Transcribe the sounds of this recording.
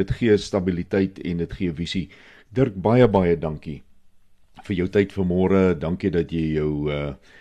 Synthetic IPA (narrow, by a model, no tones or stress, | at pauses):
ətχiəstɐbilitɛjtɛ̰ndətχiəvisi | dərk̚bɐjəbɐjədɐŋki | fərjəwtɛjtfərmɔːɾədɐŋkidɐtjəjjœwə